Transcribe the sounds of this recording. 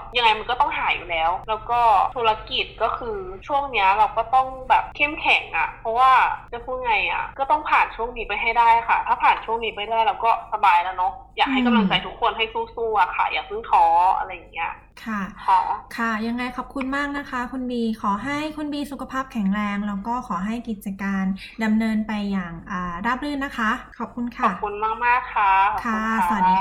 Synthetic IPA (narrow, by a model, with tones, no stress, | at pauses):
ja˧ŋa˧jma˧nkɔː˥˩t̪ɔ˥˩ŋɦaː˨˩˦jṵː˨˩lɛː˨˦˥wlɛː˦˥wkɔː˥˩t̪ʰuː˧la˧ki˨˩t̪̚kɔː˥˩kʰɯː˧t͡ɕʰu˥˩əŋni˦˥ɐɾa˧wkɔː˥˩t̪ɔ˥˩ŋbɛː˨˩p̚kʰe˥˩mkʰɛ˨˩˦ŋʔa̰˨˩pʰɔ˦˥waː˥˩a˧˩kʰuː˧˥˩ŋa˧jʔa̰˨˩kɔː˥˩t̪ɔ˥˩ŋpʰaː˨˩nt͡ɕʰu˥˩əŋniː˨˦˥pa˧jɦa˥˩jdaː˥˩ja˨˩kʰa˥˩t̪ʰaː˥˩pʰaː˨˩nt͡ɕʰu˥˩əŋniː˧˦˥pa˧˩jdaː˥˩jlɛː˦˥wkɔː˥˩sa˧baː˧jla˦˥nɔ˦˥jaː˨˩k̚ɦa˥˩jka˧˨la˧ŋt͡ɕa˧˩jt̪ʰu˦˥kʰːo˧nɦa˥˩jsuː˧˥˩suː˥˩ʔa˨˩kʰa̰˥˩jaː˨˩k̚pʰɯ˧˥˩ŋt̪ʰɔː˨˦ʔa̰˧ɾa˧jːa˨˩ŋːi˦˥a̰˧˨ | kʰa˥˩kʰɔː˨˦kʰa˥˩ja˧ŋːa˧jkʰɔː˨˩p̚kʰu˧nmaː˥˩k̚na˦˥kʰa˦˥kʰu˧nbiː˧kʰɔː˩˦ɦa˥˩jkʰu˧nbiː˧su˨˩kʰa˧pʰaː˥˩p̚kʰɛ˩˦ŋɾɛː˧ŋɾɛː˦˥wkɔː˥˩kʰɔː˩˦ɦa˥˩jki˨˩t̪̚t͡ɕa˧kaː˧nda˧mnɤː˧npa˧jːaː˨˩ŋʔaː˨˩ɾa˦˥˩p̚ɾɯ˥˩˨nːa˦˥kʰa˦˥kʰɔ˨˩p̚kʰu˧nkʰa˥˨˩pkʰu˧nmaː˥˩k̚maː˥˩kʰːa˦˥kʰa˥˩sa˨˩˨diː˧